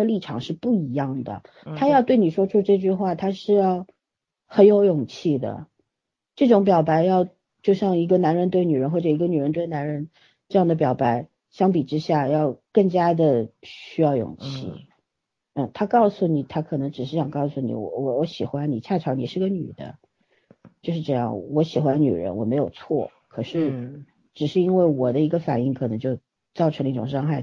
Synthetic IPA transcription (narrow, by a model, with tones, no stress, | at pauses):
ə˧li˥˩ʈ͡ʂʰɑ̰˨˩ŋʂɻ̩˥˧pu˥˩i˧˥jɑ˥˩ŋd̪ə̰˩ | t̪ʰa˥jɑ˥˧ʊt̪we˥˩ɪni˨˩ʂwɔ˥ʈ͡ʂʰu˥ʈ͡ʂɤ˥˧t͡ɕy˥˧xwa˥˩t̪ʰa˥ʂɻ̩˥˧jɑ˥˩ʊ | xə˧˥njo˧˥ʊjʊ˨˩ŋt͡ɕʰi˥˩d̪ə̰˩ | ʈ͡ʂɤ˥˩ʈ͡ʂʊ˧˥ŋp̬jɑ˨˩ʊpa˧˥ɪjɑ˥˧ʊ | t͡ɕjo˥˧ʊɕjɑ˥˩ŋi˧˥ɡə˧na˧˥nɻə˧˥nt̪we˥˩ɪny˨˩ɻə˧˥nxwɔ˥˩ʈ͡ʂɤ˨˩i˧˥ɡə˧ny˨˩ɻə˧˥nt̪we˥˩ɪna˧˥nɻə˧˥n | ʈ͡ʂɤ˥˧jɑ˥˩ŋd̪ə˩p̬jɑ˨˩ʊpa˧˥ɪ | ɕjɑ˥ŋpi˨˩ʈ͡ʂɻ̩˥ɕja˥˩jɑ˥˧ʊkɤ˥˩ŋt͡ɕja˥d̪ə˨ɕy˥jɑ˥˩ʊjʊ̰˨˩ŋt͡ɕʰḭ˥˩ | n̩˥˩t̪ʰa˥kɑ˥˩ʊsu˨˩ni˨˩t̪ʰa˥kʰɤ˨˩nɤ˧˥ŋʈ͡ʂɻ̩˨˩ʂ̬ɻ̩˥˩ɕjɑ˨˩ŋkɑ˥˩ʊsu˨˩nḭ˨˩wɔ̰˧˩wɔ˧˥jɔ˧˥ɕi˨˩xwa˥nni˨˩t͡ɕʰja˥˩ʈ͡ʂʰɑ˧˥ʊni˨˩ʂɻ̩˥˧ɡə˧ny̰˨˩d̪ə̰˦ | t͡ɕjo˥˧ʂɻ̩˧ʈ͡ʂɤ˥˧jɑ̰˥˩ŋwɔ˧˥ɕi˨˩xwa˧˥nny̰˨˩ɻə̰˧˥nwɔ˨˩me˧˥ɪjo˨˩ʊt͡sʰwɔ̰˥˩ | kʰɤ˨˩ʂɻ̩˥˩ | ʈ͡ʂɻ̩˨˩ʂɻ̩˥˧i˥nwe˥˩ɪwɔ˨˩d̪ə˦i˧˥ɡə˧fa̰˨˩ni˥˩ŋkʰɤ˨˩ɤ˧˥ŋt͡ɕjo˥˧ʊ | t͡sɑ˥˩ʊ˧˥ŋlə˧i˥˩ʈ͡ʂʊ˨˩ŋʂɑ˥ŋxa˥˩ɪ